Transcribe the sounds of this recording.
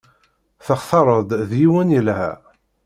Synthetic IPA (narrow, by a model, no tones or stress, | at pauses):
θəχθɑɾˤəd̪ˤðjiwənəlhæ̰